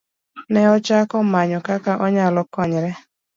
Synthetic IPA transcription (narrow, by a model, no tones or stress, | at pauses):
nɛɔt͡ʃakɔmaɲɔkakaʔɔɲalɔkaɲɾɛ